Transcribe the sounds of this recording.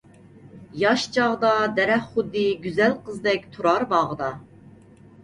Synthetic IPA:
jɑʃt͡ʃʰɑʁd̪ɑd̪ɛɾɛχχud̪ːɨɡʲyzælqʰəzd̪ɛk̚ʲt̪ʰuɾɑɾbɑʁəd̪ɑ

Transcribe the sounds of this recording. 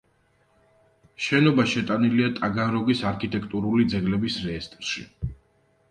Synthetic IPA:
ʃɛnɔbaʃɛt̪ʼaniliat̪ʼaɡanɾɔɡisaɾkʰit̪ʼɛk̚ʰt̪ʼuɾulid̪zɛɡlɛbisɾɛst̪ʼɾʃḭ

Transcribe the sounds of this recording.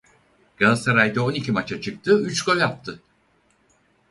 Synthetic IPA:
ɡ̥alˠsaɾajd̪ɛo̞nicʰimat͡ʃʰat͡ʃʰɯk̚t̪ʰɯyt͡ʃko̞lʲjap̚t̪ʰɯ

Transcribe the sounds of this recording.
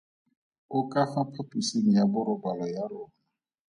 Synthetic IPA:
ʊkafapʰatusinijabʊɾʊbalɔjaɾʊna

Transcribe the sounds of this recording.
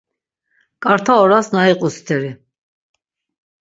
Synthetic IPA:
kʼaɾt̪ʰaɔɾasnaiqʼust̪ʰɛɾi

